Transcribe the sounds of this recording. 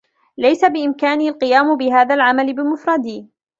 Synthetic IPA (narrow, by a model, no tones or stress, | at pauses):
lajsabɪʔɪmkaːniːalqɨjaːmbɪɦaːðaːlʕamalɪbɪlmʊfɾˤɑd̪iː